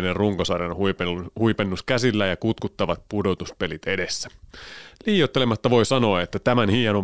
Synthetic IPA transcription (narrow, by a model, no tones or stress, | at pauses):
nerruŋkosɑrjɑnhuehuipenːuskæsilːæjɑkut̪kut̪ːɑʋɑt̪̚pudo̞t̪uspe̞lit̪e̞de̞sːæ̥ | liːjot̪ːe̞lemɑt̪ːɑʋo̞jsɑno̞ɑet̪ːæt̪æmænhiːjɑnom